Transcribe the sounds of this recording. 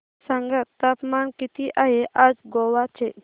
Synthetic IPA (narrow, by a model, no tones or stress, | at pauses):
saŋɡət̪ːapmankit̪iʔaɦeʔad͡zɡoʋat͡ʃʰe